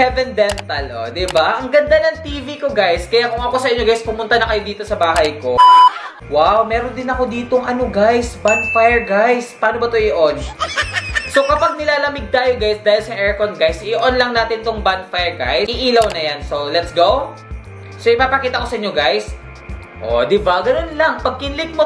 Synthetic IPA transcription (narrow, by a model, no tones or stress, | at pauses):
ɛvɛnd̪ɛnt̪ɐlʔo̰d̪ɪbaʔɐŋɡɐnd̪anɐŋt̪iːviko̞ɡajskɐjakʊŋɐko̞sɐʔɪɲo̞ɡajspʊmʊnt̪ɐnɐkɐjod̪iːt̪o̞sɐbaːɦɐjko̞ | wawmɛːɾond̪ɪnɐko̞d̪iːt̪oŋʔɐnoɡajsbanfajɛɹɡajspaːno̞bɐt̪oʔɪʔon | so̞kɐpɐɡ̚nɪlaːlɐmɪɡ̚t̪aːjoɡajsd̪aːhɪlsɐʔɛɹkonɡajsʔɪɪʔonlɐŋnaːt̪ɪnt̪oŋbanfajɛɹɡa̰jɪʔiːlɐwnɐjanso̞lɛt̪sɡow | soʔɪpaːpɐkiːt̪ɐko̞sɐʔɪɲːoɡajs | ʔo̰d̪ɪbɐɡɐno̞nlɐŋpɐɡ̚kɪnlɪk̪̚mo